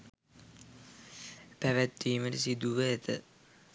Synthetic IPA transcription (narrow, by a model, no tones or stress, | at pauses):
pæʋæt̪ːiːməɾisid̪uʋəet̪ʰə̰